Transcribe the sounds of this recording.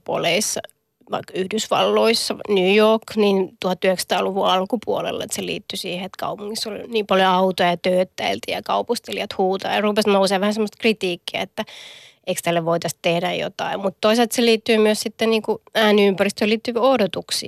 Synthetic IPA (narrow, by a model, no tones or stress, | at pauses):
po̰leisːɑ | ʋɑ̰ikːyhdysʋɑ̰lːoisːɑnyːjokːniːnt̪uhɑt̪ːyhekst̪ɑːluʋuɑlkupuolḛlːḛt̪selḭːt̪ːysiːheet̪kɑ̰upuŋːisːolniːmpɑljoɑut̪ojɑt̪øːt̪ːæilt̪ijɑkɑupust̪eliɑt̪huːt̪ɑ̰ːjɑrupesnouseːʋʋæhænsemːost̪krit̪iːkːiæ̰et̪ːæ | eikst̪ælːeʋʋoit̪ɑst̪ehdæjjo̰t̪ɑ̰immut̪t̪oiselt̪seliːt̪ːyːmyøssit̪ːeniːŋkuæːniympærist̪øːliːt̪ːyʋiohdot̪uksḭː